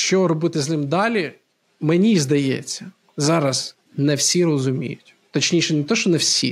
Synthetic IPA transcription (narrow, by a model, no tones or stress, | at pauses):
ʃt͡ʃɔɾɔbɪt̪ɪznɪmd̪ɑlʲi | menʲizd̪ɐjḛt͡sʲːɐ | zɑɾɐz | nɛwsʲiɾɔzʊmʲḭjʊtʲ | t̪ɐt͡ʃnʲijʃɛnɪt̪ɔʃɔnɛwsʲḭ